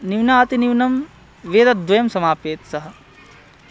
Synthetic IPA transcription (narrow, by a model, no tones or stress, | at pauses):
niʋnaːt̪iniʋnɐm | ʋeːd̪ɐd̪ʋɐjɐmsɐmaːpeːt̪sɐɦɐ̆